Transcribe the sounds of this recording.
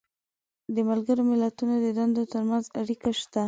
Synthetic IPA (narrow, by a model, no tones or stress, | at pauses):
d̪əmalɡəɾomɪlat̪unod̪əd̪and̪ot̪əɾmanzaɽikaʃt̪a